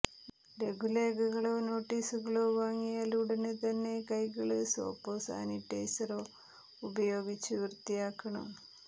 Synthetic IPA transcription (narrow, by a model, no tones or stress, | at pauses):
le̞ɡʱuleːɡɐɣɐɭo̞ːno̞ːʈːiːsuɣɐɭoːʋaːŋːijaːluɽɐnɨt̪ɐnːe̞kɐjɣɐɭɨso̰ːpːoːsa̰ːniʈːejsɐroː | ubɐjo̞ːɡit͡ɕːɨʋirt̪ijaːkːɐɳɐ̰m